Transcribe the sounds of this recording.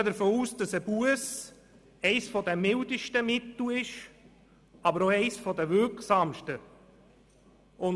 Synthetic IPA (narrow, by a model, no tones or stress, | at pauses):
ədəɾfoːuːsd̥ɑsəbuəs | ɛɪsfɔd̪ɛmɪldəʃtəmɪt̪l̩ɪʃ | ɑbəɾoɛɪsfɔdəvʏɾksɑmʃtə | ʊn